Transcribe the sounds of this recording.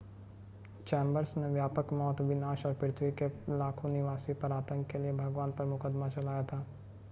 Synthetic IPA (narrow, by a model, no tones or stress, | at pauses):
t͡ʃɛ̃ːmbəɾsneʋjaːpəkmɔːt̪ʋɪnaːʃɔːɾpɪɾt̪ʰwikelaːkʰonɪʋaːsipɐɾaːt̪ə̃ŋkːeliebʱɐɡʋaːnpɐɾmʊkəd̪mat͡ʃɐlaːjat̪ʰaː